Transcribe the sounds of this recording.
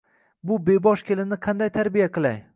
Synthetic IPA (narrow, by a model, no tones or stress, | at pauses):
bʊbebɒʃkʲelɪnɪqʰɑnd̪ajt̪ʰaɾbijaqɨlˠaj